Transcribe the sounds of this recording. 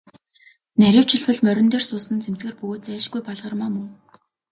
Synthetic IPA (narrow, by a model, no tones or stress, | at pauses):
næɾʲʊːw̥t͡ɕʰɪ̆ɮpɵ̆ɮmœɾʲɪ̆nt̪eːrsʊːsə̆nt͡sʰem̥t͡sɡĕːrpɵɣoːt̪̚t͡sæːʃɡujpɔɮʁə̆rmaːmɵŋ